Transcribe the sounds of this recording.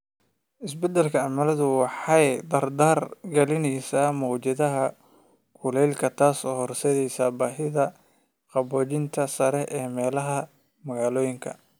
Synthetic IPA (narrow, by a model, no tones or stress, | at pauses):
ʔɪsbɛd̪ɛlkʰɐʕɑmɐlɐðʊwɑħɑjd̪ɐrd̪aːrɡɐlɪnɛjsaːmɔːt͡ʃɐðɐɦɐ | kʰʊlɛjlkʰɐt̪ʰaːsɔːhɔrsɛjɛjsaːbaːɦɪðɐ | qɑbɔːt͡ʃɪnt̪ʰɐsɐɾɛʔɛːmɛːlɐɦɐ | mɐɣaːlɔːjɪŋkʰɐ̰